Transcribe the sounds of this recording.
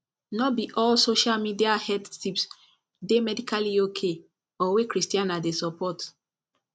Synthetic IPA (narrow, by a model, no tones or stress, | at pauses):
nɔbiʔɔlsoʃalmidiahɛdtips | demɛdikʰaliokʰe | ɔwekɹistiãnadesɔpɔt